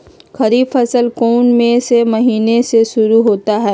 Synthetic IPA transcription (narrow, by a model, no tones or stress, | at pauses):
xɐɾiːbfɐsəlkoːnmẽsemɐɦiːneseʃʊɾuɦoːt̪aɦɛː